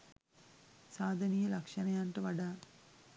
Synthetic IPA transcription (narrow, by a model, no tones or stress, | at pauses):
saːd̪ʱɐnijɐlɐkʂɐnɐjaːnʈɨʋɐɖaː